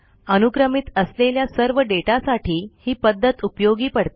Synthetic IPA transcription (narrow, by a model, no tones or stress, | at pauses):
ənuɡɾəmit̪əsleljasəɾʋəɖeʈasaʈʰiːhiːpəd̪ʱːət̪upjoɡiːpəɽt̪e